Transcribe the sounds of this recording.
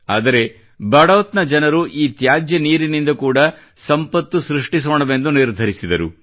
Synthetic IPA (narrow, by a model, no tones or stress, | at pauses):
aːd̪ɐɾe̞ | bɐɽɐʋɐt̪nɐd͡ʒɐnɐɾuʔiːt̪jaːd͡ʒjɐniːɾinind̪ɐkuːɽɐ | sɐmpɐt̪ːusɾiʂʈisoːɳɐʋe̞nd̪uniɾd̪ʱɐɾisid̪ɐɾu